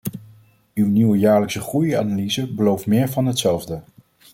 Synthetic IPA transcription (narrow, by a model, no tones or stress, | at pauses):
ywniwəjaːɹləksəχruja̰ːnalizəbəlowftmɪːɹvɑnɦətsɛlˠvdə